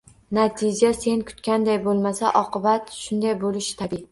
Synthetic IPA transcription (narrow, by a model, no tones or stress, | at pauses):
nat̪ʰɪd͡ʒase̞nkʰʊ̥t̪kʲand̪ajbolˠmasaʔɒqɨbat̪ʃʊnd̪ajbolɪʃɪ̥t̪ʰabi